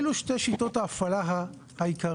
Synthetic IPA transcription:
luʃte̞jʃito̞taːfalaɦa | haikʰa

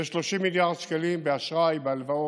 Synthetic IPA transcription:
ʃlo̞ʃimiljaʁd̪̥ʃkalimbeaʃʁajbealvao

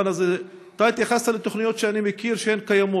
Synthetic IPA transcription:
anaz | t̪ait̪jaχast̪alet̪o̞χnijo̞t̪ʃeanimekiɾʃehenkajamo

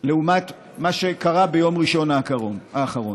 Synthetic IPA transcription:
le̞umat̪ | maʃe̞kaʁabejo̞mʁiʃo̞naːkaoaːχaʁo

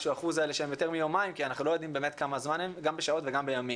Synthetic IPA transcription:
ʃuaχuzaeleʃeemjo̞t̪e̞ʁmijomaimkianaχnulo̞jo̞d̪imbeːmet̪kamazmanemɡambeʃao̞tveɡambe̞jamim

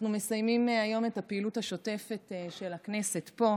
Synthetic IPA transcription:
nume̞sajmimajo̞me̞tapeilutaʃo̞te̞fe̞tʃelakne̞se̞tpo̞

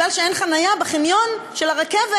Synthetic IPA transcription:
alʃeenχanajabeχinjo̞nʃelaʁekeve

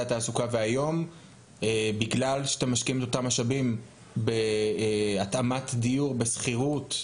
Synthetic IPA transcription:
at̪aːsukaveajo̞m | ebiɡlalʃeat̪emaʃkiimet̪o̞tamaʃabim | be | at̪amat̪d̪ijuʁbesχiʁut̪

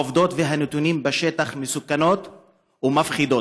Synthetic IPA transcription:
ovd̪o̞t̪veɦanet̪unimbeʃet̪aχmesukano̞t̪ | umafχid̪o

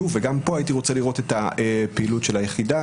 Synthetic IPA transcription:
uveɡampo̞ajit̬iʁo̞t͡seliʁo̞t̪e̞taepeilutʃe̞lajeχida

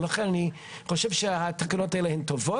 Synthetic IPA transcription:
laχɛnani | χoʃɛvʃehat̪akanotaelehemt̪ovo

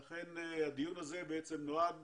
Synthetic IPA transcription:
aχenad̪ijunazebeet͡semnoad

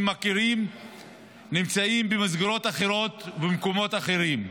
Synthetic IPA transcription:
makeʁim | nimt͡saimbemazɡeɾo̞t̪aχeɾo̞t̪bemko̞mo̞t̪aχeʁim

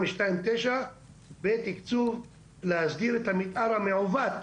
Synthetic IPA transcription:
miʃtajimt̪ejʃa | bet̪ikt͡suv | lehasd̪iɾet̪hamit̪ʔaɾhameʕovat̪

